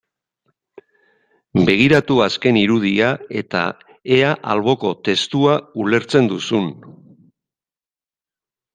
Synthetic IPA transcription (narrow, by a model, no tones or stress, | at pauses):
be̞ɣ̞iɾat̪uaske̞niɾuð̞iae̞t̪a̰ | e̞aʔalβ̞o̞ko̞t̪e̞st̪uaule̞ɾt͡se̞nd̪usun